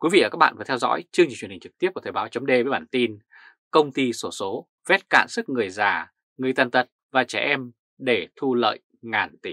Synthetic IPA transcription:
kwi˨˦vḭ˧˨əː˨˩ka˦˥ɓa̰ː˧˨vt̪ʰwzɔ̰˧˥jt͡ɕɨ˧ŋɲi˧˨t͡ɕwhï˨˩ŋ̟t͡ɕɨ˨˩t̪i˦˥p̚kːt̪ʰə˨˩ɓaː˨˦wt͡ɕə˨˦ŋ͡mɗe˧vːjɓaː˧˩nt̪i˧n | kə˧wŋ͡mt̪i˧so˧˩so˨˦ | vɛ˦˥t̚ka̰ː˧˨nsɨ˦˥k̚ŋɨ˨˩əjzaː˨˩ | ŋɨ˨˩əjt̪aː˨˩nt̪ə˨˩t̚vaː˨˩t͡ɕɛ̰˧˩ʔɛ˧m | ɗe˧˩t̪ʰu˧lə̰ː˧˨j | ŋaː˨˩nt̪i˧˩

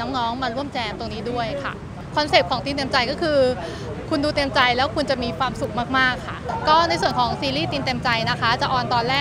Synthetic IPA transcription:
nɔː˦˥ŋnɔː˦˥ŋmaː˧ɾu˥˩əmt͡ɕɛː˧mt̪o˧ŋniː˦˥du˥˩əjkʰa̰˥˩ | kʰɔ˧mseː˨˩p̚kʰɔː˩˦ŋt̪iː˧nt̪e˧mt͡ɕa˧jkɔː˥˩kʰɯː˧ | kʰu˧nduː˧t̪e˧mt͡ɕa˧jlɛː˦˥wkʰu˧nt͡ɕa˨˩miː˧kʰwaː˧msu˨˩k̚maː˥˩k̚maː˥˩kʰːa˥˩kɔː˥˩na˧jsu˨˩ənkʰɔː˩˦ŋsiː˧liː˥˩t̪iː˧nt̪e˧mt͡ɕa˧jna˦˥kʰa˦˥t͡ɕa˨˩ʔɔː˧nt̪ɔː˧nlɛː˥˩

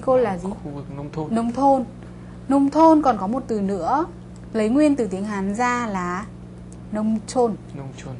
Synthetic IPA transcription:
ko˧laː˨˩zi˨˦˧nə˧wŋ͡mt̪ʰo˧n | nə˧wŋ͡mt̪ʰo˧nkɔ˨˩nkɔ˨˦mo˨˩t̚t̪ɨ˨˩nɨ̰˧˥ə | lə˨˦jŋwi˧ənt̪ɨ˨˩t̪i˨˦əŋɦaː˨˦nzaː˧laː˨˩ | nə˧wŋ͡mt͡ɕo˧n˧ŋ͡m

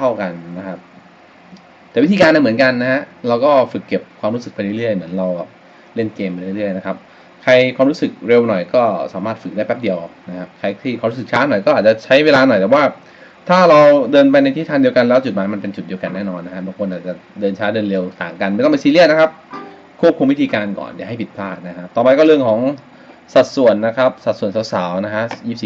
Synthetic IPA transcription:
a˥˩wka˧nːna˦˥kʰa˦˥p̚ | t̪ɛː˨˩wi˦˥t̪ʰi˧kaː˧nːa˧mɯ˩˦ənka˧nːa˦˥ha˦˥ʔɾa˧wkɔː˥˩fɯ˨˩kːe˨˩p̚kʰwaː˧mɾu˦˥sɯ˨˩k̚pa˧jɾu˥˩ɾɯ˥˩əjmɯ˩˦ənɾa˧wbɛː˨˩p̚ | le˥˩nkeː˧mpa˧ɾɯ˥˩˨ɾɯ˥˩əjna˦˥kʰa˦˥p̚ | kʰa˧jkʰwaː˧mɾu˦˥sɯ˨˩k̚ɾe˧wnɔ˨˩jkɔː˥˩saː˩˦maː˥˩t̪̚fɯ˨˩k̚daː˥˩pːɛ˦˥p̚di˧əwʔna˦˥kʰa˦˥p̚kʰa˧jt̪ʰiː˥˩kwa˧mɾu˦˥sɯ˨˩kt͡ɕʰaː˦˥nɔ˨˩jkɔː˥ʔaː˨˩t̪̚t͡ɕa˨˩t͡ɕʰa˦˥jweː˧laː˧nɔ˨˩jt̪ɛː˨˩waː˥˩ | t̪ʰaː˥˩ɾa˧wdɤː˧npa˧jna˧jt̪ʰi˦˥t̪ʰaː˧ndi˧əka˧nlɛː˦˥wt͡ɕu˨˩t̪̚maː˩˦jma˧npe˧nt͡ɕu˨˩t̪̚di˧əka˧nːɛː˥˩nɔː˧nːa˦˥kʰa˦˥baː˧ŋkʰo˧nʔaː˨˩t̪̚t͡ɕa˨˩dɤː˧nt͡ɕʰaː˦˥dɤː˧nɾe˧wt̪aː˨˩ŋka˧nma˥˩t̪ɔ˥˩pe˧siː˧li˥˩əna˦˥kʰa˦˥p̚ | kʰu˥˩p̚kʰu˧mwt̪ʰiː˧kaː˧nkɔ̰ː˨˩nja̰˨˩ɦa˥˩jpi˨˩t̪pʰaː˥˩t̪̚na˦˥kʰa˦˥p̚t̪ɔː˨˩pa˧jkɔː˥˩ɾɯ˥˩əŋkʰɔː˩˦ŋ | sa˨˩t̪̚su˨˩ənːa˦˥kʰɾa˦˥p̚sa˨˩t̪̚su˨˩ənsa˨˦wsaː˩˦wna˦˥kʰa˦˥ji˥˩p̚si˨˩

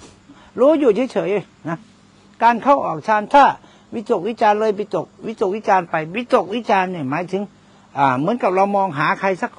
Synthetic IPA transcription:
ɾuː˦˥juː˨˩t͡ɕʰaː˧˥˦t͡ɕʰɤː˨˩˦j | na˦˥ | kaː˧nkʰa˥˩wʔɔː˨˩k̚t͡ɕʰaː˧nt̪ʰaː˥˩ | wi˦˥t̪o˨˩k̚wi˦˥t͡ɕaː˧nlɤː˧jpi˧˩t̪o˨˩k̚wi˦˥t̪o˨˩k̚wi˦˥t͡ɕaː˧npa˧jwi˦˥t̪o˨˩k̚wi˦˥t͡ɕaː˧nːi˧˩maː˨˦jt̪ʰɯ˨˦ŋ | ʔaː˨˩mɯ˩˦nka˨˩p̚ɾa˧wmɔː˧ŋɦaː˩˦kʰa˧jsa˧˩k̚

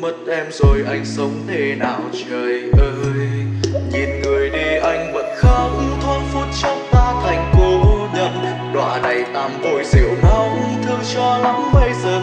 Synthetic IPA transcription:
mə˨˩t̚ʔɛ˧mzo˨˩jʔa˧jŋ̟sə˨˦wŋ͡mt̪ʰe˧˩naː˨˩wt͡ɕəː˨˩jʔəː˧jɲi˨˩nŋɨ˨˩əjɗi˧ʔa˧jŋ̟və̰˧˨˥nxa˧˦k͡p̚t̪ʰwaː˧nfu˧˥t̚t͡ɕɔ˧˦wŋ͡mt̪aː˧t̪ʰa˨˩jŋ̟ko˨˧˦ɲə̰˧˨n | ɗwa̰ː˧˨na˨˩jt̪aː˧˩mt̪o˧˩jzḭ˧˨əwna˧˦wt̪ʰɨ˧əŋt͡ɕɔ˧la˧˦ŋɓə˧jzəː˨˩

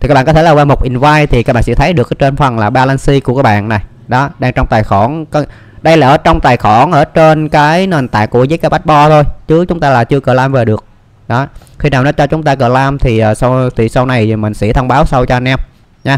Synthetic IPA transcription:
i˨˩a˧˦˥ɓaː˧˨kɔ˦t̪ʰlaː˨˩waː˧˩mo˨˩k͡p̚ʔi˨˩nvaː˧jt̪ʰi˨˩ka˦k̚ɓa̰ː˧˨sɛ̰˧˥t̪ʰjɗɨ˨˩əkt͡ɕe˧nfə˨˩nlaː˨˩ɓaː˧la˧nsi˧ku˧˩kaː˦k̚ɓa̰ː˧˨nna˨˩j | ɗɔ˨˦ɗaː˧ŋt͡ɕɔ˧wŋ͡mt̪aː˨˩jxɔ˧˩nk | ɗə˧jlaː˨˩ʔəː˧˩˦t͡ɕɔ˧wŋ͡mt̪aː˨˩jxɔ˧˩nʔəː˧˩t͡ɕe˧nkaː˨˦jne˨˩nt̪a̰ː˧˨ŋkːu˧˩əzəː˨˦jkaː˨˦jɓa˦˥t̚ɓɔ˧t̪ʰo˧jt͡ɕɨ˨˦t͡ɕʊ˨˦ŋ͡mt̪aː˧laː˨˩t͡ɕɨ˧əkəː˧˩laː˧mve˨˩ɗɨ˨˩ək̚ | ɗɔ˨˦ | xi˧naː˨˩wnɔ˨˦t͡ɕɔ˧t͡ɕʊ˨˦ŋ͡mt̪aː˧kəː˧˩laː˧mt̪ʰi˨˩ʔːsa˧wt̪ʰi˨˩sa˧wna˨˩jmï˨˩ŋ̟sḭ˧˥t̪ʰə˧wŋ͡mɓaː˨˦wsa˧wt͡ɕɔ˧nʔɛ˧m | ɲaː˨˧˦

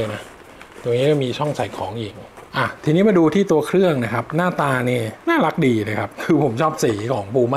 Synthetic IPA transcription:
jna˦˥ | t̪o˧ŋniː˦˥kɔ˥˩miː˧t͡ɕʰɔ˥˩ŋsa˨˩˦jkʰɔː˩˦ŋji˨˩˦ŋʔa˨˩t̪ʰiː˧niː˦˥maː˧duː˧t̪ʰiː˥˩t̪u˧ɐkʰɾɯ˥˩əŋna˦˥kʰa˦˥p̚naː˥˩t̪aː˧niː˥˩naː˥˩la˦˥k̚diː˧na˦˧˩kʰa˦˥p̚kʰɯː˧pʰo˨˩˦mt͡ɕʰɔː˥˩p̚siː˩˦kʰɔː˩˦ŋpuː˧ma˥

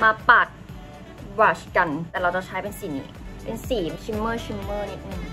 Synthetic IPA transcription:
maː˧paː˨˩t̪̚ | waː˧˩ɕka˧nt̪ɛː˨˩ɾa˧wt͡ɕɔ˨˩ŋt͡ɕʰaː˦˥jpe˧nsi˨˩nḭː˧˩pe˧nsiː˨˩˧t͡ɕʰi˧˥mːɤː˥˩t͡ɕʰi˧˥mːɤː˥˩niː˧˩nɯ˧˩

